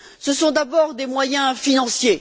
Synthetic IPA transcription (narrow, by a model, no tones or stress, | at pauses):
səsɔ̃d̪abɔʁd̪emwajɛ̃finɑ̃sje